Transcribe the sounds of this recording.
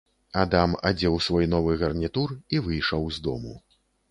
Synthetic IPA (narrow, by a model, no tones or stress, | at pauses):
ad̪amad͡zʲɛwsvɔjn̪ɔvɨɣɐrnʲit̪urivɨjʂɐwzd̪ɔ̰mṵ